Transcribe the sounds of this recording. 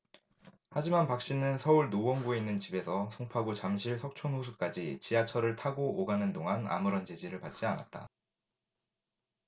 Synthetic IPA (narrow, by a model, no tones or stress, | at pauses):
had͡ʑimanpak̚ɕ͈inɯnsʰʌuɭnowʌŋɡoinːɯnt͡ɕibe̞sʰʌsʰoŋpʰaɡot͡ɕamɕʰiɭsʰʌk̚t͡ɕʰonhusʰuk͈ad͡ʑit͡ɕiat͡ɕʰʌɾɯɭtʰaɡooɡanɯndoŋɦana̰mɯɾʌnt͡ɕed͡ʑiɾɯɭpat̚t͡ɕ͈iana̰t̚t͈a̰